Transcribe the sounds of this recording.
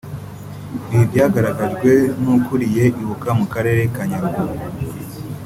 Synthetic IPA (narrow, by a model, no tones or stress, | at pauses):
ɾiɾɟaːɡaɾaɡaʒɡwe̞nukuɾije̞ʔiβukamukaɾe̞ɾe̞kaɲaɾɡu